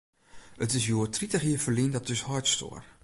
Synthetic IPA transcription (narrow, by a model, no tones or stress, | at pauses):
ətɪsjuːətritəχjiəfəɹlindɔtdøshɔjtsto̰ːr